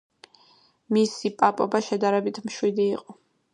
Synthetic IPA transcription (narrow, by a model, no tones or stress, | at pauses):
misipʼapʼɔbaʃɛd̪aɾɛbit̪ʰmʃwid̪iːqʼɔ